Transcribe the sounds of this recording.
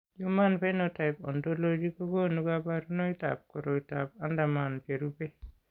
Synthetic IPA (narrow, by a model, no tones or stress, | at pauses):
jumanpɛnɔtajpɔndolod͡ʒikɔɡonuɡabaɾunɔita̰p̚kɔɾɔitap̚andamanpeɾupɛ